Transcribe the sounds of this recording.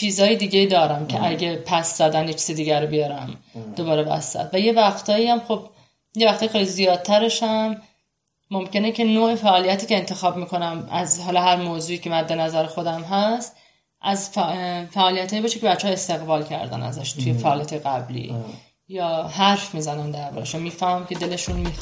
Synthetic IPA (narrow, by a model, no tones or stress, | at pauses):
t͡ʃʰiːzɒːjed̪iːɟe̞id̪ɒːɾæmcʰeʔæɟepʰæszæd̪ænjet͡ʃʰiːzed̪iːɡæɾobijɒɾæ̰md̪̥oβɒːɾe̞bæ̰sæ̰t̪væje̞væxt̪ʰɒːiæmχo̞b̚ | jevæχt̪ɒːjeejlizijɒːd̪̚t̪ʰæɾe̞ʃæmː | o̞mcʰe̞necʰenoːʔefæʔːlijæt̪ʰiːce̞ːnt̪ʰe̞xɒːbmiːkʰo̞næmæzhɒlɒːɦæɾmoːzuːiːcʰe̞mænd̪e̞næzæɾexo̞d̪æmɦæst̪ | ʔæzfæʔɒːlijæt̪hɒːjibɒːʃeceæt͡ʃt͡ʃːeɒest̪e̞ɣbɒːlcʰæ̰ɾd̪æ̰næ̰zæʃt̪ʰujefæʔːlijæt̪ʰɒjeɣæblḭː | jɒːhæɾfmiːzænænd̪æɾbɒ̰ːɾæ̰ʃunmiːfæhmæmcʲʰe̞d̪e̞le̞ʃunmi